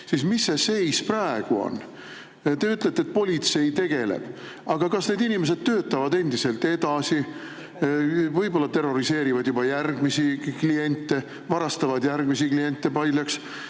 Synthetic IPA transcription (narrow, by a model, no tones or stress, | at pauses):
sismisːe̞se̞jsprɑeɡ̥uo̰n | t̪e̞yt̪ːˑle̞t̪ːet̪̚po̞lʲit̪se̞jt̪e̞ɡ̥e̞lḛb̥ | ɑɡ̥ɑkɑsned̪inimes̬e̞d̪̥̚t̪ø̞ːt̪ːˑɑvɑd̪e̞nd̪ise̞lt̪e̞d̪ɑsi | vɤjbo̞lːɑt̪e̞ro̞ɾise̞ːɾivɑd̪jubɑjærɡ̥misiklie̞nʲt̪ːe̞ | vɑɾɑst̪ɑvɑd̪jærɡ̥misiklie̞nʲt̪ːˑe̞pɑjlʲjɑks